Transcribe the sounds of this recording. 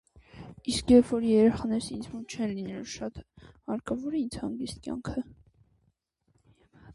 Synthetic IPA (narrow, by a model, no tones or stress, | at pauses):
iskjɛpfɔɾjɛɾɛχɑnɛɾəsind͡zmunt͡ʃʰɛnlinɛluʃɑt̪hɑɾkɑvɔɾɛint͡shɑŋɡist̪̚kʲjɑ̰ŋkʰə